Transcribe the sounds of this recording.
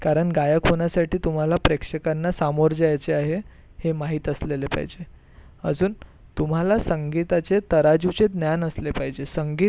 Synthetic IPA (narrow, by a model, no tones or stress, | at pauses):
kaɾəɳɡajəkɦoɳjasaʈiːt̪um̤alapɾekʂəkanːasamoɾd͡zajat͡seaɦe | hemaɦiːt̪əslelepa̰ɦid͡ʑe | əd͡zuːn | t̪um̤alasəŋɡit̪at͡set̪əɾad͡ʑut͡sed̪njanəslepaɦid͡ʑesəŋɡiː